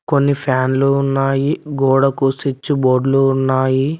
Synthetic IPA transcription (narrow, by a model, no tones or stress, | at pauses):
konːipʰaːnluunːaːjiɡɔːɽɐkusit͡ʃːuboːɖluunːaːji